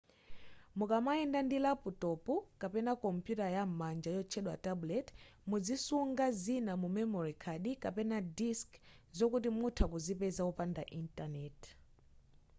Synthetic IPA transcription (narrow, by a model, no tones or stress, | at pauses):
mukamaɛndandilaputɔpukapɛnakɔmpjutajamand͡ʒajɔt͡ʃʰɛɗwatablɛtmud͡zisuŋɡazinamumɛmɔɾikʰaɗikapɛnadisk | zɔkut̬imutʰakuzipɛzaupandaʔintanɛt